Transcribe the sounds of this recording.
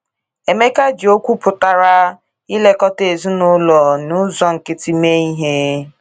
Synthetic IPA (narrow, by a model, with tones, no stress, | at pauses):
e˨me˦ka˦d͡ʒi˨o˦kʷu˦pʊ˨ta˨ɾa˦ | i˦le˦kɔ˦te˨zi˦nʊ˦lɔ˨nʊ˦zɔ˦ŋ̩˨kɪ˦ti˦me˦i˦ɦe˦